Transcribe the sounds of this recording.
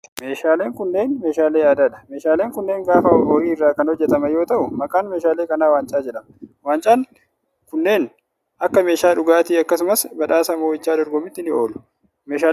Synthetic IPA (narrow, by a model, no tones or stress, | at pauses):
meːʃaːle̞ːŋkʊnːe̞ːnme̞ːʃaːleːjaːd̪aːᶑɐ̥meːʃaːle̞ːŋkʊnːe̞ːŋɡaːfɐɔɾiːɪrːaːkɐnhɔd͡ʒːɛt̪ɐmɐjo̞ːt̪ɐʔʊmɐkʼaːnmeːʃaːleːkɐnaːwaːnt͡ʃʼaːd͡ʒɛᶑɐmɐwaːnt͡ʃʼaːn | kʊnːe̞ːn | ʔɐkːɐme̞ːʃaːᶑʊɡaːt̪iːɐkːɐsʊmɐsbɐᶑaːsɐmoːɪt͡ʃːaːd̪ɔɾɡɔmɪt̪ːɪnɪo̞ːlʊ̥ | me̞ːʃaː